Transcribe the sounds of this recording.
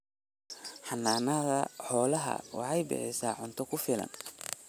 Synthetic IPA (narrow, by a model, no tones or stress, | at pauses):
ħɑnːaːnɐðɐħɔːlɐɦɐ̰wɑ̰ħɑjbɛ̰ʕɛsa̰ːʕʊnt̪ʰɔkʰʊfɪlɐ̰n